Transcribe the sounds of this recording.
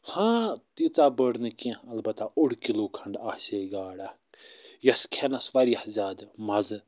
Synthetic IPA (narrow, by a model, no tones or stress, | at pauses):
hãːt̪it͡saːbəɽnɨkĩɐlbɐt̪aʊɽkiloːkʰɐɳɖaːseːɡaːɽa | jɐskʰenɐsʋɐɾijɐhzʲaːd̪mɐz